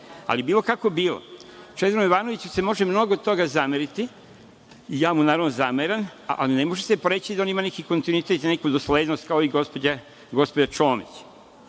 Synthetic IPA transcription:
a̰libiːlˠo̞kako̞biːlo̰t͡ʃed̪ɾomiʋaːno̞ʋit͡ɕuse̞mo̞ʒemno̞ɡod̪̚t̪o̞ɡazameɾit̪i | ijaːmunaːɾaʋnozameɾana̰line̞mo̞ʒesepoɾe̞t͡ɕid̪ao̞nimanekiko̞nt̪inuit̪et̪inekud̪osled̪nost̪̚kaoiɡospod͡ʑa | ɡo̞spod͡ʑat͡ʃo̞ːmḭt͡ɕ

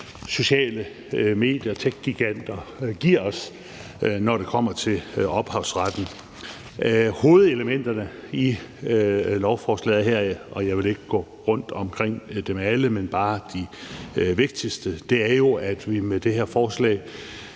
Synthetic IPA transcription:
so̝ɕɛ̰ːlə | me̝̰ːd̥jɐt͡sʰeɡ̥ɡ̥iɡ̥æn̰d̥ɐɡ̥iɐ̰ɒ̽s | nɒɾ̥e̝kʰɒ̽m̰ɐt͡sʰe̝lɒ̽b̥hɑ̈ʊ̰sʁad̥n̩ | ho̝ːð̞̩ˠe̝ləmen̰d̥ɐnəi | lɒʊfɒːslɛ̰ːð̩ˠɦeɐ̰ɒ̽jɑ̈ɪʋe̝le̝ɡ̥əɡ̥ɔ̰̽ː | ʁɔ̽n̰d̥ɒ̽mkʰʁeŋ̰d̥emæləmenb̥ɑ̈ːd̥i | ʋe̝ɡ̥̚d̥isd̥əd̥e̝æɐjo̝æd̥ʋimed̥e̝ɦeɐfɒːslɛ̰ɪ

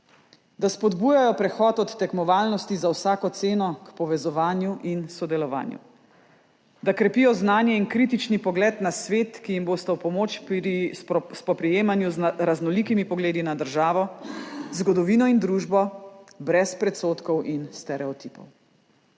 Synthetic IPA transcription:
d̪aspɔd̪buːjajɔpɾɛxɔːt̪ɔt̪ːɛkmɔʋaːlnɔst̪izawsaːkɔt̪seːnɔkpɔʋɛzɔʋaːnjuʔinsɔd̪ɛlɔʋa̰ːnjṵ | d̪akɾɛpiːjɔznaːnjɛinkɾiːt̪it͡ʃnipɔɡlɛːt̪nasʋeːt̪kijimboːst̪awpɔmoːt͡ʃpɾispɔpɾɛjeːmanjuzɾaznɔlikimipɔɡleːd̪inad̪əɾʒaːʋɔzɡɔd̪ɔʋiːnɔind̪ɾuːʒbɔbɾɛspɾɛt̪soːt̪kɔwʔinst̪ɛɾɛɔt̪ipɔ̰w

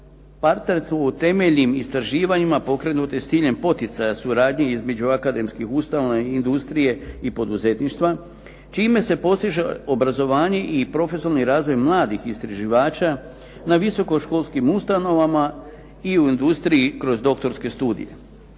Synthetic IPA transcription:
paɾt̪ne̞ɾst̪ʋo̞ut̪e̞me̞ʎnimist̪ɾaʒiːʋaɲimapo̞kɾe̞nut̪ojesiʎempo̞t̪it̪sajasuɾaːd̪ɲeizme̞d͡ʒuakad̪e̞mskixust̪aʋneind̪ust̪ɾije̞ipo̞d̪uze̞t̪niʃt̪ʋa | t͡ʃiːme̞se̞po̞st̪iʒeobɾazo̞ʋaːɲe̞ʔipɾo̞fesiolniɾaːzʋo̞jmlˠaːd̪ixist̪ɾaʒiʋaːt͡ʃa | naʋiso̞ko̞ʃko̞lˠskimust̪ano̞ʋama | iuind̪ust̪ɾiikɾo̞zd̪o̞kt̪o̞ɾske̞st̪uːd̪ḭje̞̰

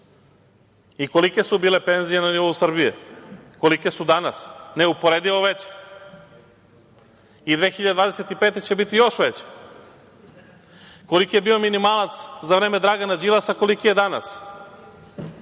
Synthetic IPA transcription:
iko̞like̞subiːle̞pe̞nzije̞naniʋousr̩bijeko̞like̞sud̪anasneupoɾeːd̪iloʋet͡ɕe̥ | id̪ʋeːxiʎad̪d̪vaːd̪eset̪ipeːt̪et͡ɕe̞bit̪ijo̞ʃʋet͡ɕe̥ | ko̞likije̞biːo̞minimaːlˠat̪szaʋɾeːme̞d̪ɾaɡanad͡ʑilasako̞likijed̪ana̰s

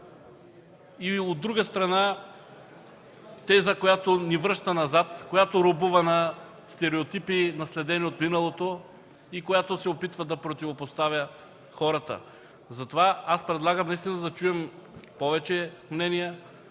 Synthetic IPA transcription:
iod̪ːɾuɡəst̪ɾɐna | t̪ɛzɐkojat̪onivɾəʃt̪ɐnɐzat̪kojat̪oɾobuvɐnɐ | st̪ɛɾɛot̪ipinɐslɛd̪ɛniot̪minɐlˠot̪o | ikojat̪osɛopit̪vɐd̪ɐpɾot̪ivopost̪avjɐ | xɔɾɐt̪ə̰ | zɐt̪ovaaspɾɛd̪lˠaɡəmnɐist̪inɐd̪ɐt͡ʃuɛmpɔvɛt͡ʃɛmnɛnijə

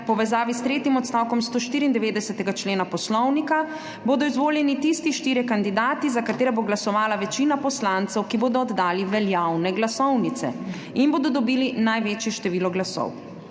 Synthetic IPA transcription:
pɔʋɛzaːʋist̪ɾeːt̪imɔt̪st̪aːwkɔmst̪oːʃt̪iːɾiːnd̪ɛʋeːd̪ɛsɛt̪ɛɡat͡ʃleːnapɔslɔwnika | boːd̪ɔizʋoːljɛnit̪ist̪iʃt̪iːɾjɛkand̪id̪aːt̪izakat̪eːɾɛboɡlasɔʋaːlaʋɛt͡ʃiːnapɔslant̪sɛwkiboːd̪ɔːd̪ːaːliʋɛljawnɛɡlasɔwnit̪sɛ̰ | inboːd̪ɔd̪ɔbiːlinajʋeːt͡ʃjɛʃt̪ɛʋiːlɔɡlasɔ̰w

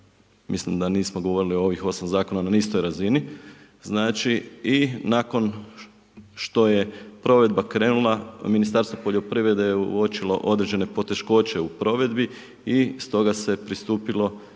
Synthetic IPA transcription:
mʔislimd̪aniːsmo̞ɡo̞ʋo̞ɾiliooʋixo̞samzaːko̞nanaist̪o̞jɾazini | znaːt͡ʃiinako̞n | ʃt̪o̞je̞pɾo̞ʋe̞d̪bakɾe̞ːnulˠa̰minist̪aːɾst̪ʋopo̞ʎo̞pɾiːʋɾe̞d̪ejeuo̞t͡ʃilo̞̰ʔo̞d̪ɾe̞d͡ʑe̞ne̞po̞t̪e̞ʃko̞t͡ʃe̞upɾo̞ʋe̞d̪bi | ist̪o̞ɡase̞pɾist̪uːpilo̞

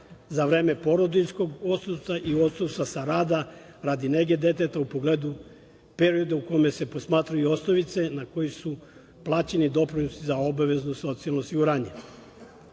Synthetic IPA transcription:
zaʋɾe̞ːme̞po̞ɾo̞d̪iʎsko̞ɡot̪sot̪saʔio̞t̪suasaɾaːd̪a | ɾad̪ineɡed̪e̞t̪et̪aupo̞ɡleːd̪u | peɾio̞d̪auko̞me̞se̞po̞smat̪ɾajuo̞snoʋit̪se̞nako̞jisu | plˠaːt͡ɕenid̪o̞pɾinost̪izao̞baʋe̞znoso̞t̪sialnosiɡuɾaːɲe̞

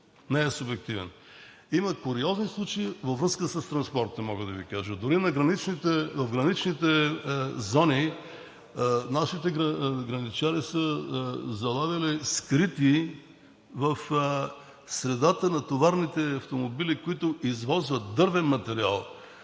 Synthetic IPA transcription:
nɛɛsʊbɛk̚t̪ivɛ̰n | iməkʊɾiɔznislˠut͡ʃeivɐvɾɤskəsəst̪ɾɐnspɔɾt̪əmɔɡəd̪ɐvḭkaʒəd̪ʊɾinɐɡɾɐnit͡ʃnit̪ɛvɐvɡɾɐnit͡ʃnit̪ɛ | zɔni | naʃit̪ɛɡɡɾɐnit͡ʃaɾisə | zɐlˠaviliskɾit̪i | vɐf | sɾɛd̪at̪ənɐt̪ovaɾnit̪ɛɐft̪omobilikʊit̪ʊizvɔzvət̪̚d̪ɤɾvɛnmɐt̪ɛɾia̰lˠ

